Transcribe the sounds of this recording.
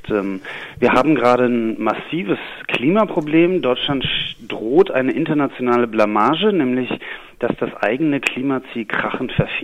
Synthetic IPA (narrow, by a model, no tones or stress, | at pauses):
tɛmviːɐhaːbm̩ɡəʁaːɾənmasiːvəskl̥iːmapʁ̥obleːmdɔʏt͡ʃlantd̥ʁoːtʔa̰ɪnəʔɪntɐnat͡sjonaːləblamaːʒənɛːmlɪç | d̥asd̥asʔa̰ɪɡənəkʰl̥iːmat͡siːlkʁ̥aχn̩tfɛɐf